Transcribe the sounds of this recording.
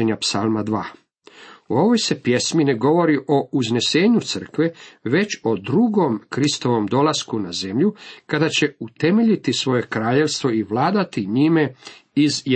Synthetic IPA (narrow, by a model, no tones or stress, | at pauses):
eɲapsalmad̪ʋaː | uo̞ʋojse̞pje̞smine̞ɡo̞ʋo̞ɾiʔo̞uzne̞se̞ːɲut̪sər̩kʋe̞ʋe̞t͡ɕo̞d̪ɾuɡo̞mkɾist̪o̞ʋo̞md̪o̞laskunaze̞mʎukad̪at͡ɕe̞ut̪e̞me̞ʎit̪isʋo̞je̞kɾaːʎe̞ʋst̪ʋo̞iʋlaːd̪at̪iɲime̞iz